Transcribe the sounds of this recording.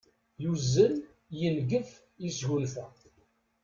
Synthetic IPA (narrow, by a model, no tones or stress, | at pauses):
juzːən | jəlɡəf | jisʝulθæ